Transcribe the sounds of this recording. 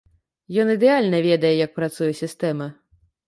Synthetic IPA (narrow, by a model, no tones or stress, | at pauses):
jɔnid̪ɛalʲnɐvʲɛd̪ɐjɛjɐk̚pɾat̪sujɛsʲist̪ɛmɐ